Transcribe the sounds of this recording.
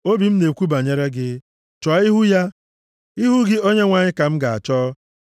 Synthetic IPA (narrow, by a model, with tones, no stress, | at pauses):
o˦bi˨m̩˦ne˨kʷu˦ba˨ɲe˦ɾe˦ɡɪ˦ | t͡ʃɔ˨˦i˦ɦu˦ja˦ | i˦ɦu˦ɡɪ˦o˦ɲe˦ŋʷa˨ɲɪ˦ka˨m̩˦ɡa˨a̰˨t͡ʃɔː˦